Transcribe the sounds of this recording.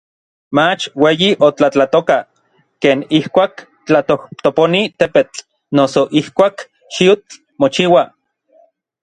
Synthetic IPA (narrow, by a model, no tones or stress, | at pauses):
mat͡ʃweːjiʔot͡ɬat͡ɬat̪oka | keːnihkʷaːk | t͡ɬat̪oht̪oponit̪epet͡ɬ | nosoʔihkʷaːk | ʃit͡ɬ | mot͡ʃiːwa